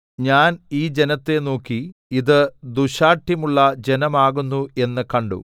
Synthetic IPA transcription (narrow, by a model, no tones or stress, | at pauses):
ɲaːniːd͡ʑe̞nɐt̪ːe̞no̞ːkːiiðɨd̪uɕaːʈʰjɐmuɭːɐd͡ʑe̞nɐmaːɣunːue̞nːɨkɐɳɖṵ